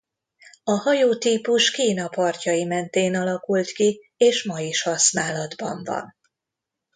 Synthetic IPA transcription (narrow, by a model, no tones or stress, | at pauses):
ɒhɒjoːt̪iːpuʃkiːn̪ɒpɒrcɒjimɛnt̪eːnɒlɒkult̪ki | eːʃmɒjiʃhɒsnaːlɒd̪bɒ̰ɱvɒ̰n